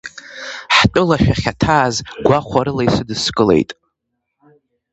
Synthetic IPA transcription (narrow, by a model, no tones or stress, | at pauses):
ħt͡pʼʊlaʃᶣaχʲatʰaːzɡʷaχʷaɾɨlajsɨdɨskʼɨle̞̰jtʼ